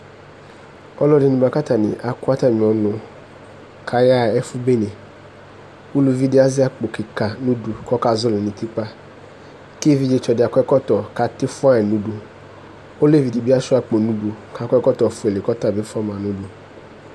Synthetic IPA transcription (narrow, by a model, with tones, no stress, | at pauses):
ɔ˦lɔ˦dɪ˨nʊ̃˨ba˨ka˦ta˨nɪ̰˨ʔa˨kʊ˦a˦t̪a˦mĩ˨ɔ˨nʊ̃˨ | kʰa˨ja˦˨ɛ˦fʊ˦be˦nẽ˨ | u˦lu˦vi˦dɪ˦a˦zɪ˦a˦k͡po˨ki˨ka˨nũ˦du˨kɔ˦ka˨zʊ˦le˨nĩ˨t̪i˦k͡pa˦ | ke˦vi˦d͡ʒe˨t͡ʃɔ˨dɪ˨a˨kɔ˦ɛ˦kɔ˦tɔ˨ka˨t̪ɪ˦fʊ˦a˦ɛ˨nũ˦du˨ | o˦le˦vi˨di˨bi˦a˦sʊ˦a˦k͡po˨nũ˦du˨ka˦kʷɛ˦kɔ˦tɔ˨fʊ˨˦e˨le˨kɔ˦ta˦˨be˦fa˦mã˨nũ˦du˨